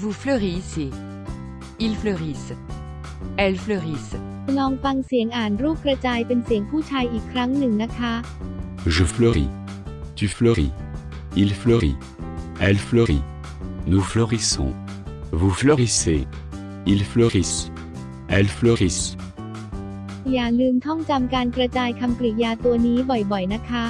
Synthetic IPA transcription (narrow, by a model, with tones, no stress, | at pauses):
vufløʁisi | ilfløʁis | ɛlfløʁis | nɔː˧ŋfa˧ŋsi˨˩˦əŋʔaː˨˩nɾuː˥˩p̚kɾa˧t͡ɕaː˧jpe˧nsi˨˩əŋpʰuː˥˩t͡ɕʰaː˧jʔiː˨˩kʰːɾa˦˥ŋnɯ˨˩ŋna˦˥kʰa˦˥ | ʒəfløʁḭ | t̪yfløʁḭ | ilfløʁḭ | ɛ˧lflø˧ʁḭ | nu˨flø˧ʁi˧sɔ̰̃ | vu˨flø˧ʁi˧sḛ | i˨lfløʁis | ɛ˧lflø˧ʁi˧s | jaː˨˩lɯː˧mt̪ʰɔ˥˩ŋt͡ɕa˧mkaː˧nkɾa˧t͡ɕaː˧jkʰa˧mkli˨˩jaː˧t̪u˧ɐniː˦˥bɔ˨˩jbɔ˨˩jna˦˥kʰa˦˥